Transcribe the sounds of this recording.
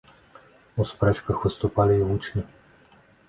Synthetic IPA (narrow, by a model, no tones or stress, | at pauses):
ɔspɾɛt͡ʃkaxʋɨst̪ɔpaliut͡ʃnʲi